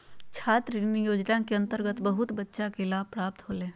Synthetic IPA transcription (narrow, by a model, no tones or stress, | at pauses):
t͡ʃʰaːt̪ɾinijoːd͡ʒnakeɐ̃nt̪əɾɡət̪bəɦʊt̪bətːʃakelaːb̚pɾaːp̚t̪ɦoːleː